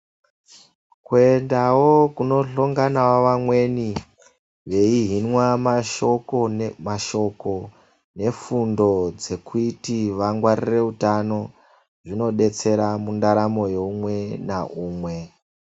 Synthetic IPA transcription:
kuendawokuno̞ɬoŋɡanawoʋamwe̞ni | ʋe̞iɦinwamaʃokomaʃo̞ko̞ | ne̞fundo̞d͡ze̞kuitiʋaŋɡwaɾire̞utano̞ | ʐino̞ɗe̞t͡se̞ɾamundaɾamo̞jeumwe̞na̰ʔuːmwe̞

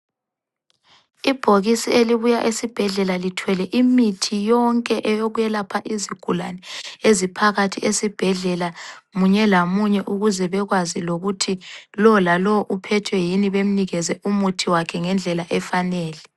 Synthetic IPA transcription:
ib̥ʱoɣisieliβujaʔesib̥ʱɛɮɛlalitʰwɛlɛʔimitʰijɔŋkʼɛʔɛjoɣujɛlapʰaʔiziɡ̥ʱulanɛezipʰaɣatʰiʔesib̥ʱɛɮɛlamuɲɛlamuɲɛʔuɣuzɛβɛɣwaziloɣutʰilɔlalɔʔupʰɛtʰwɛjiniβem̩niɣɛzɛumutʰiwakʰɛŋɛnd͡ɮʱɛlaʔɛfanɛːlɛ

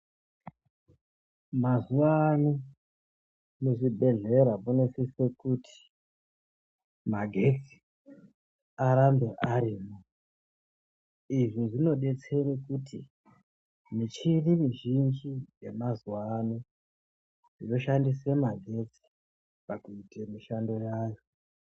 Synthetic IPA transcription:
mazuwanu | muʐibʱe̞ɮe̞ɾamonesesekutʰi̥ | maɡʱe̞t͡si̥ | aɾambe̞ʔaɾiːmo | iʐiʐino̞ɗe̞t͡se̞ɾekutʰḭ | mit͡ʃiɗimiʒind͡ʒijemazuwanu | ʐino̞ʃandis̬emaɡʱe̞t͡si̥ | pakuitemiʃandojaːjo

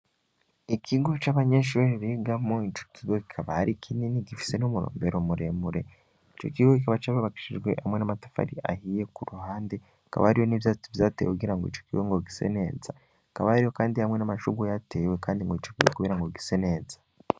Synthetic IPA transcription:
ikʰiɡot͡ʃaβaɲeʃuɾeɾiɡamoit͡ʃo̥kiɡokikʰaβahaɾikʰininiɡifi̥se̞numuɾo̰ːmbe̞ɾomuɾemuɾe̞̰ | it͡ʃo̞̰kiɡokikaβat͡ʃaβaβaki̥ʃiʒɡwe̞̰hamwe̞namatḁfa̰ɾḭʔa̰hije̞kuɾuhaːnde̞ | aka̰βa̰haɾijo̞nivjat͡sivjaːtḛːwekuɡiɾaŋɡoḭt͡ʃo̥kiɡoŋɡoɡise̞̰ne̞ːza | kaβahaɾijo̞kaːndihamŋe̞namaʃuɡujate̞we̞kaːndiŋɡoit͡ʃokiɡokuβiɾaŋɡoɡise̞ne̞ːzḁ

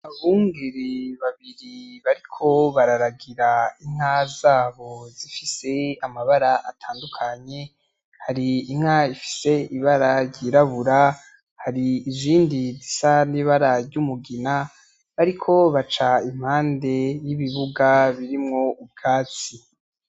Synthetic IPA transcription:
βuŋɡiɾiβaβiɾiβaɾikʰo̞βaɾaɾaɡiɾaiŋ̥hazaːβo̞zifise̞amaβaɾaʔatʰaːndukʰaɲe̞ | haɾiːŋ̥haifi̥se̞iβaɾaɾɟiːɾaβuɾa | haɾiːziːndizisaniβaɾaɾɟumuɡina | βaɾikʰo̞βat͡ʃaim̥haːnde̞jiβiβuɡaβiɾimŋo̞ub̚ɡaːt͡si

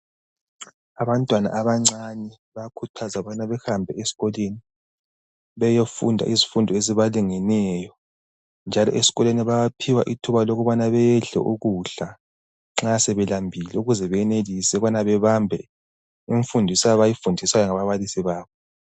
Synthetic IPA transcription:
aβantʼwana̰ʔaβaŋ͡ǀanɛ | βakʰutʰazaβanaβɛxambʱɛesi̥ɣɔleni | βɛjofṵndʱa̰ʔizifundʱɔeziβaliŋɛnɛjɔ | nd͡ʒʱalɔ̰ʔesi̥ɣɔleniβajapʰiwaʔitʰuβaloɣuβanaβɛjɛɮɛ̰ʔuɣuɬa | ŋ͡ǁasɛβɛlambʱilɛuɣuzɛβɛɛnelisɛɣanaβɛβambʱɛ̰ | iɱfundʱisajβajifundʱisajɔŋaβaβalisiβaːβɔ

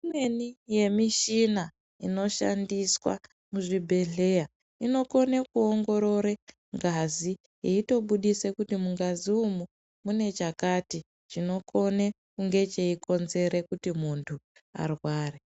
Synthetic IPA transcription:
imwenije̞miʃina | ino̞ʃa̰ndiswa̰ | muʐibʱe̞ɮe̞ja | ino̞ko̞nekuoŋɡo̞ɾo̞ɾe | ŋɡazi | jeito̞ɓuɗise̞kutimuŋɡaziumu | mune̞t͡ʃakati | ʐ̥ino̞kʰo̞ne | kuŋɡe̞t͡ʃe̞iko̞nze̞ɾe̞kutimuntʰu | a̰rwaːre

